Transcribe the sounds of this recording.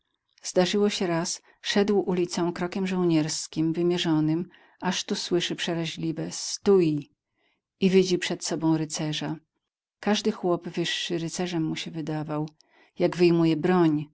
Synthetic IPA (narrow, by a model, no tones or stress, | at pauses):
z̥d̪aʐɘwɔɕɛɾas | ʂɛd̪wʔulʲit̪sɔ̃w̃kɾɔkʲɛmʐɔ̃w̃ɲɛɾskʲimvɘmʲjɛʐɔnɘm | aʂt̪uswɘʂɘpʂɛɾaʑlʲivɛst̪uji | ivʲid͡ʑipʂɛt̪sɔbɔ̃w̃ɾɘt̪sɛʐa | kaʐd̪ɘxwɔbvɘʂːɘɾɘt̪sɛʐɛmːuɕɛvɘd̪avaw | jaɡvɘjmujɛbɾɔɲ